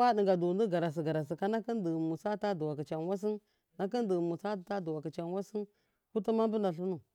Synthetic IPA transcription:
a˦ɗi˨ɡa˨du˨ndə˦ɡa˨ɾa˨s̬i˨ɡa˨ɾa˨s̬i˨ka˦na˦kə˦ndə˨mu˨sa˦ta˦du˨wa˨ki˨t͡ʃa˨nwa˦s̬i˦n | na˦kə˦ndə˨mu˨sa˦˨ta˦du˨wa˨ki˨t͡ʃa˨nwa˦si˦n | ku˦ti˦ma˦m˦bə˦na˨ɬu˦nu˨

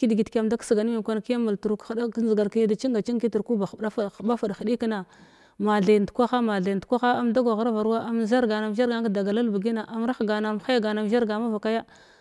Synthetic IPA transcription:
ki˦dɡi˨tka˨mda˦ksɡa˨n˦mi˨kʷa˦n˨ki˦ja˦mu˨ltu˨ɾu˨kxda˦kzɡa˨ɾkja˦da˨t͡ʃi˦ŋɡa˨t͡ʃi˦ŋ˦ki˦ti˨ɾku˦ba˨xa˦fxba˦fa˨dxi˨ɗi˦ki˦na˨ | ma˨ɮa˨n˨tkʷa˦xa˦ma˨ɮa˨kʷa˦xa˦a˦mda˦ɡa˨ɣa˦ɾa˦va˨ɾwa˦a˦m˨za˦ɾɡa˨na˨m˦ʒa˦ɾɡa˦ŋ˦kda˨ɡa˨la˦lbu˨ɡi˦na˨ʔa˨m˦ɾa˦xɡa˨na˨m˨xa˦ja˦ɡa˨na˨m˨ʒa˦ɾɡa˨ma˦va˨ka˦ja˦

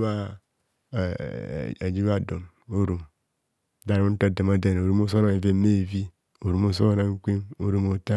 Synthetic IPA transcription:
a˦˨ | d͡ʒi˦wa˦˨do˨n | o˦ɾu˨m˦ | da˨ɾu˦to˦de˨ma˦de˨n˨o˨ɾu˦mo˦so˦a˨ve˦me˦˨vi˦ | o˨ɾu˨mo˨s̬o˦a˦na˨ŋ˦ki˦no˦ɾu˦mo˨ta˦

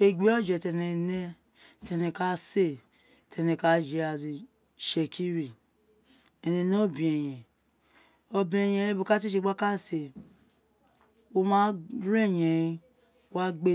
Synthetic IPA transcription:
e˨ɡ͡bi˦o˦d͡ʒɛ˨tɛ˨ne˨ne˦ | tɛ˨nɛ˨ka˨˦se˦˨ | tɛ˨nɛ˨ka˨˦d͡ʒe˨a˨zi˨ | ʃe˨kʰi˦ɾi˨ | e˨ne˨no˦o˦bi˨e˨jɛ̃˨ | o˨bĩ˨˦e˨jɛ˨e˦bo˨ka˦t̬i˦ʃ̬e˦˨ɡ͡ba˦ka˦˨se˨ | o˦mã˦ɾe˦˨jɛ˨i˦ | a˦ɡ͡be˦

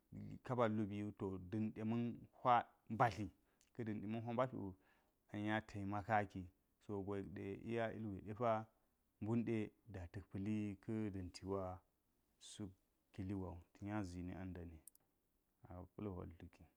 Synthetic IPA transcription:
ka˦ba˨lu˦bi˨u˦to˨dɨ˨nɗe˨mə˦nhʷa˦ | ba˦ɬi˨ | kə˦dɨ˨nɗe˨mə˦nɦʷa˦ba˦ɬṵ˨ | a˨ja˦tʰa˨i˨ma˦ka˦ki˨ | so˨ɡʷo˨kɗḛ˨ʔḭ˦ja˦ḭ˦lwḛ˨ɗe˦fa˦ | mbu˦nɗe˦da˨tɨ˨kpɨ˨li˦kə˦də˨nti˨wa˦ | su˦k | kːi˨li˦wa˨u˨ti˨ja˦zi˨nḭ˦a˦nda˨ni˨ | a̰˨pu˦lo˨wa̰˨ltu˦ki˨

